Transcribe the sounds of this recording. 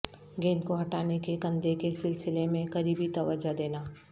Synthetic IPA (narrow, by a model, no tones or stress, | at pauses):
ɡẽːnkoɦɐʈaːnekekɐ̃nd̪ekesɪlsɪlemẽkɐɾiːbit̪ɐʋəd͡ʒad̪eːnaː